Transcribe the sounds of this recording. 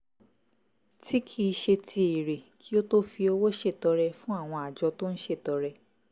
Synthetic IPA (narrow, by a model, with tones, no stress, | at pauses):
tʰi˦kʰi˦˧ʃe˧tʰi˧i˨ɾe˨kʰi˦o˦to˦fi˧o˧wo˦ʃe˦˨tɔ˨˧˦ɾɛ˧fũ˦a˦˨w̃ɔ̃˧a˨d͡ʒɔ˧to˦n̩˦ʃe˦˨tɔ˨˦ɾɛ˧